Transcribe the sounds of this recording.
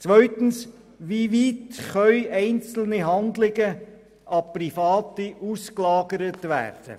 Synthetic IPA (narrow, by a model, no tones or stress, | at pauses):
t͡sʋœʏt̪ən̩s | ʋiʋiːtχœʏʔɛɪnt͡sl̩niɦɑndlɪɡə | ʔɑprifɑːtiʔusklɑːɡəɾətʋæ̰ːrd̥ə̰